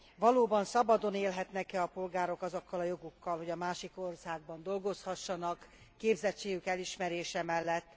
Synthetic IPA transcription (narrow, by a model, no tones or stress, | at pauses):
vɒloːbɒnsɒbɒd̪o̞neːlɦɛt̪nɛkɛɒpo̞lɡaːɾo̞kɒzokːɒlɒjo̞ɡukːɒlɦo̞ɟɒmaːʃiko̞rsaːɡ̚bɒnd̪o̞lɡo̞shɒʃːɒnɒkː | eːbzɛt͡ʃːeːɡykɛliʃmɛɾeːʃɛmɛlːɛt̪ː